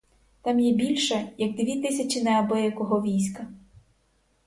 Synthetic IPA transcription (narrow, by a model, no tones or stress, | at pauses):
t̪ɑmjɛbʲilʲʃɛjɐɡ̚d̪ʋʲit̪ɪsʲɐt͡ʃɪnɛɐbɪjɐkɔɦɔʋʲijsʲkɐ